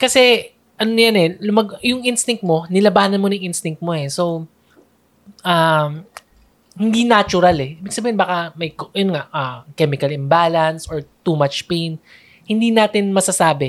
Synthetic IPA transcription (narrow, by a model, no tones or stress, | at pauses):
kɐsɛ | ʔɐnonjanɛlʊmɐɡjʊŋʔɪnst̪ɪŋ̚t̪̚mo̞nɪlɐbaːnɐnmonɐŋʔɪnst̪ɪŋk̚t̪̚mo̞ɛso̞w | ʔam | hɪnd̪inat͡ʃʊɾalɛʔiːbɪɡ̚sɐbiːhɪnbaːkɐmɐjkjonŋaʔɐkɛːmɪkɐlɪmbalɐnsoɹt̪umat͡ʃpejn | hɪnd̪inaːt̪ɪnmɐsɐsaːbɛ